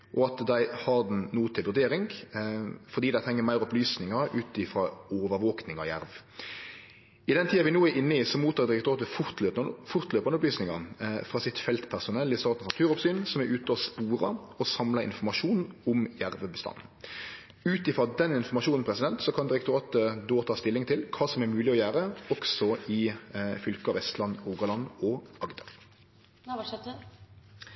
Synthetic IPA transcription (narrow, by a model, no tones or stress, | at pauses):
ʔɔɑt̪d̪æɪhɑɾd̪nnuːt̪ʰɪlʋʉɾd̪eːɾɪŋ | fɔd̪iːd̪æɪʁɛŋːəmæɪɾɔplyːsnɪŋɑʉːt̪ɪfɾɑoːʋəɾʋoːknɪŋɑ̰jæ̰ɾʋ | ɪd̪ɛnt̪ʰiːɑʋɪnuːæɾɪnːəɪsɔmuːt̪ɑːd̪ɪɾɛkt̪ʊʁɑːt̪əfʊʁt̪løːpnfʊɾt̪løːpɑnəɔplyːsnɪŋɑfʁɑːsɪt̪fɛlt̪pʰæʁsʊnɛlːɪst̪ɑːt̪nsnɑt̪ʰʉːʁɔpsyːnsɔmæɾʔʉːt̪əɔspuːɾɑɔsɑmlɑɪ̰nfɔmɑʂuːn̩ʊmjæʁʋəbəst̪ɑ̰n | ʉːt̪ɪfɾɔd̪ɛnɪnfɔmɑʃuːnn̩pʰɾɛsɪd̪ɛnt̪sɔkʰɑnd̪ɪɾɛkt̪ʊɾɑːt̪əd̪oːt̪ʰɑːst̪ɪlːɪŋt̪ʰɪlkʰɑːsɔmæɾmʉːlɪɔjæːɾəɔksɔɪfʏlkəɑːʋɛst̪lɑnʁuːɡɑlɑnɔɑɡd̪əɾ